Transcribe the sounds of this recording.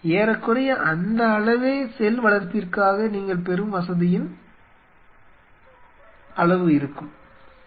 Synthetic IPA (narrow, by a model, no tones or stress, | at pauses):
eːɾɐkːɯɽɐjɐʔɐnd̪ɐːɭɐʋeːsɛlʋɐɭɐɾpɪrkaːɣɐniːŋɡɐɭpɛɾɯmʋɐsɐðɪjɪn | ɐɭɐʋɯɪɾɯkːɯm